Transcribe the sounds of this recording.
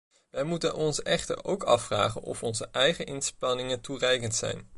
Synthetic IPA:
ʋɛjmutənʔɔnsɛχtə̰ɹowkɑfra̰ːχə̰nʔɔ̰fɔnzəʔɛjχəʔɪnspɑnɪŋənturɛjkəntsɛ̰jn

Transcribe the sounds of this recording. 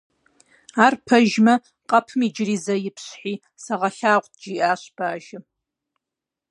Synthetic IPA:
aːrpʰɐʒmɐ | qʼɐpʰɨmid͡ʒriːzɐjɪpʰɕħiː | sɐʁɐɬaːʁʷtd͡ʒiʔaːɕb̥aːʒɪ

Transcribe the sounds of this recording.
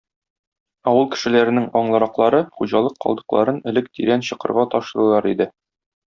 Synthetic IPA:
ɒwɤlˠkɘ̥̆ʃɘ̆læɾɘ̆nɘŋɒɴlˠɤ̆ɾɑqlˠɑɾɤχuʑɑlˠɤqːɒ̰lˠd̪ɤ̆qlˠɑ̰ɾɤnɘ̆lɘk̚t̪iɾænɕɤ̆qɤ̆ɾʁɑt̪ɒʃɤ̆ɾɤ̆lˠɑɾid̪ɘ

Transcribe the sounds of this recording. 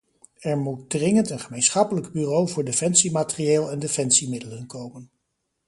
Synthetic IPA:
ɛɹmut̚drɪŋəntənχəmejnsχɑpələɡbyːrowvʊːɹdefɛnsimaːtərieːlˠɛndefɛnsimɪdələnkowmən

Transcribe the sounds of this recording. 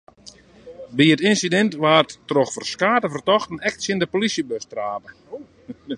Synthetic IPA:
biətɪnsidɛntʋaːrtːroxfərskaːtəfərtɔxtənɛk̚tsjɪndəpolisjəbøstraːpə

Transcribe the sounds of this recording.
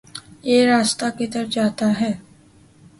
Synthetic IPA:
jeɾaːst̪aket̪əɾəd͡ʒaːt̪aɦɛː

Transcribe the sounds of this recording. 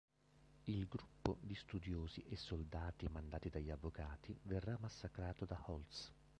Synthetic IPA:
ilɡɾupːo̰d̪ist̪ud̪joːziʔesːold̪aːt̪imand̪aːt̪id̪aʎːavːokaːt̪iverːamːasːakɾaːt̪od̪ahɔlt̪s

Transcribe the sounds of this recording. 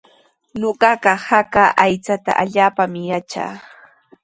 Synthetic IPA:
ɲoɢɑɢɑhakaʔajt͡sat̪a̰ʔaʎaːpamɪjat͡ʃa̰ː

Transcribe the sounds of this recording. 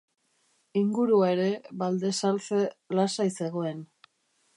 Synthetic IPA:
iŋɡuɾuae̞ɾe̞βald̪e̞salt͡selasajse̞ɣ̞o̞e̞n

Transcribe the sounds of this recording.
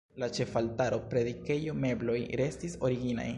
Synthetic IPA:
lat͡ʃe̞faltaɾo̞pɾe̞dike̞jo̞me̞blo̞jɾe̞stiso̞ɾiɡina̰j

